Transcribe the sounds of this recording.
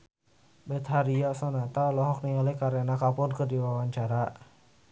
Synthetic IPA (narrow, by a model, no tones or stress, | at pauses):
bɛt̪̚ɦaɾiasɔnat̪alɔɦɔk̚niŋalɛkaɾɛnakapʊnkərdiwawaɲt͡ʃaɾa